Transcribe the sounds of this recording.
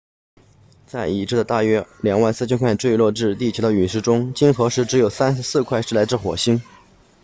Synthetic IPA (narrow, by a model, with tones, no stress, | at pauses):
t͡sa˥˩ɪi˨˩ʈ͡ʂɻ̩˥˩d̪ə˩t̪a˥˩ɥɛ˥ljɑ˨˩ŋwa˥˧nsɹ̩˥˩t͡ɕʰɛ˥kʰwa˥˩ɪʈ͡ʂwe˥˧ɪlwɔ˥˧ʈ͡ʂɻ̩˥˧t̪i˥˩t͡ɕʰɛ˧˥d̪ə˧y˨˩ʂɻ̩˥˩ʈ͡ʂʊ˥ŋt͡ɕi˥nxɤ˧˥ʂɻ̩˥˩ʈ͡ʂɻ̩˧˥jo˨˩ʊsa˥nʂ̩˧˥sɹ̩˥˧kʰwa˥˧ɪʂɻ̩˥˩la˧˥ɪʈ͡ʂɻ̩˥˩xwɔ̰˨˩ɕi˥n